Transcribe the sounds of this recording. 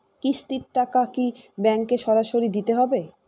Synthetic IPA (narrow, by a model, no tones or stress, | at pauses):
kist̪iɾʈakakibɛŋkeʃɔɾaʃoɾid̪it̪eɦɔbe